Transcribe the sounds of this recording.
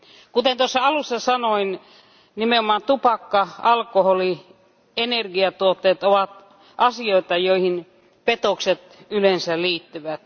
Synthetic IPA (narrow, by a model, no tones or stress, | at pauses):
kut̪ent̪osːɑɑlusːɑsɑnoin | nimeomɑːnt̪upɑkːɑɑlkoholi | enerɡiɑt̪uot̪ːeːt̪oʋɑt̪ | ʔɑsioit̪ɑjoihin | pet̪okset̪ | ylensæliːt̪ːyʋæt̪